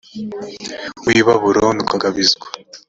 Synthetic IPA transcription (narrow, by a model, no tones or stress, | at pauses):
wiβaβuɾonukaɡaβizɡwḁ